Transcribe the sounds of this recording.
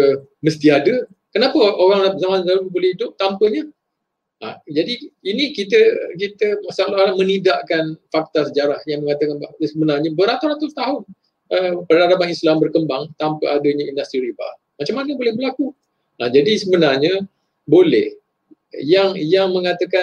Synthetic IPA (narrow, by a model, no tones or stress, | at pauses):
məst̪iadə | kənapəoɣaŋazamanzalubolɛhidʊp̚t̪ampəɲə | a̰d͡ʒadiinikit̪əkit̪əmasalaalahmə̃nidaʔkanfak̚t̪asəd͡ʒaɾahjaŋməŋat̪akanbaʔsəbənarɲabəɾat̪urat̪ʊst̪aɦʊn | əpədaɾapanislambərkəmbaŋt̪ampəʔadəɲə̃indast̪ɾiriba̰ | mat͡ʃamːanəbolɛhbərlaku | ad͡ʒadisəbənarɲə̃ | bolɛh | jaŋjaŋmə̃ŋat̪əka